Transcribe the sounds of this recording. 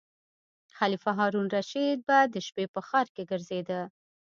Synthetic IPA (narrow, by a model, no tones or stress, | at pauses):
xalifaɦɑɾunɾaʃid̪̚bad̪əʃpepəxɑɾkeɡəɾzed̪ə